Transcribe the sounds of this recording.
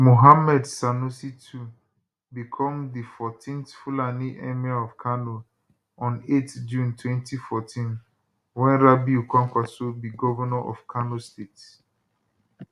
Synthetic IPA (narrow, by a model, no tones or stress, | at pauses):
moɦamɛdsanusitʰu | bikʰɔ̃mdifɔtʰĩnθfulaniʔɛmiaɔfkʰano | ɔ̃netd͡ʒũntwɛ̃ntifɔtʰĩn | wɛ̃nɾabiukʷãŋkʷwasobiɡɔvɔnɔʔɔ̰fkʰanostet